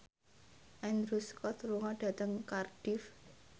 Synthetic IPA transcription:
ʔɛnɾuskɔt̪ɾuŋɔɖ̥a̤t̪əŋkarɖ̥if

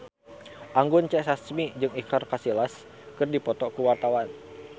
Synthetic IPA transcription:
ʔaŋɡʊnt͡ʃɛsasmid͡ʒɨŋikarkasilas | kɨrdipɔt̪ɔkuwart̪awan

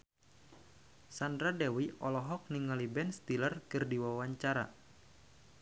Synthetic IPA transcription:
sandɾadɛwiɔlɔɦɔk̚niŋalibɛnst̪ilərkɨrdiwawaɲt͡ʃaɾa̰

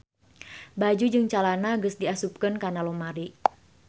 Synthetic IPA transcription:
bad͡ʒud͡ʒɨŋt͡ʃalanaɡəsdiasup̚kənkanalɔmaɾi

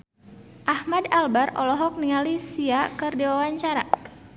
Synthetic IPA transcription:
ʔahmadalbaɾɔ̰lɔɦɔk̚niŋalisiakɨrdiwawaɲt͡ʃaɾa

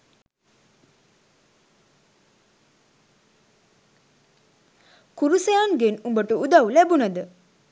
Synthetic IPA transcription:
kuɾusejanɡenumbəʈəud̪awlæbunad̪ə

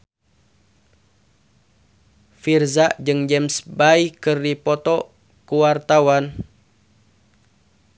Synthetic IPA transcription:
firzaʔd͡ʒɨŋd͡ʒɛmsbaikɨrdipɔt̪ɔ | kuwart̪awan

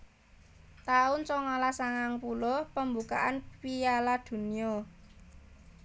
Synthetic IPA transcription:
t̪aʊnt͡ʃɔŋalasaŋaŋpulɔpəmbuka̰ʔanpialad̪̥ṳniɔ

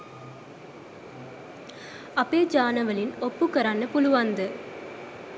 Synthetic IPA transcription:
ɐpːeːd͡ʒaːnɐʋɐlɪnɔpːɯkːɐɾaːnɯpʊlʊʋand̪ɯ

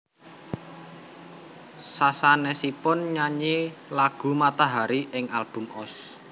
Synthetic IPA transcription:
sasanɛsipʊnɲaɲelaɡ̥ṳmat̪aɦaɾiɪŋalb̥ṳmɔs

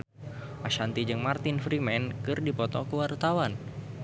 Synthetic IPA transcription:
ʔaʃant̪id͡ʒɨŋmart̪infɾimɛnkɨrdipɔt̪ɔkəwart̪awan

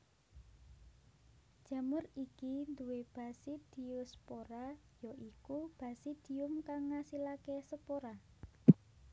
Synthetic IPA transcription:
d̥ʒ̥a̤mərikind̪uweb̥a̤sid̪̥i̤ɔspoɾa | jɔʔikub̥a̤sid̪̥i̤ʊmkaŋːasilakesəpoɾa

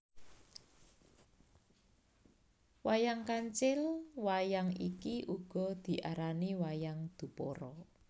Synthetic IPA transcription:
wajaŋkaɲt͡ʃɪlwajaŋikiʔuɡ̥ɔ̤d̪̥i̤ʔaɾaniwajaŋd̪̥ṳpɔɾɔ

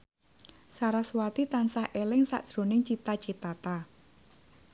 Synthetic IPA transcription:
saɾaswat̪it̪ansahʔelɪŋsa̰ʔʒ̥ɾo̤nɪŋt͡ʃit̪at͡ʃit̪at̪a

